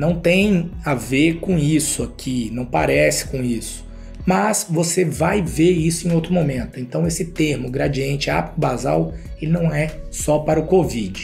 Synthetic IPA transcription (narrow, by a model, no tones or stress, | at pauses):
nɐ̃w̃t̪ẽj̃avekõisʊakʰinɐ̃w̃pa̰ɾɛsɪ̥kõisʊ̥ | mɐsvosevajveisʊẽj̃owt̪ɾʊmomẽnt̪ʊẽnt̪ɐ̃w̃esɪt̪eɾmʊɡɾad͡ʒiẽnt͡ʃɪa̰pʊbaza̰welɪnɐ̃w̃ɛsɔpaɾɐʊkovid͡ʒɪ